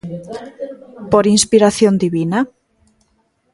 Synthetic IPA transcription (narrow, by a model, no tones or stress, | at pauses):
poɾinspiɾaθjond̪iβina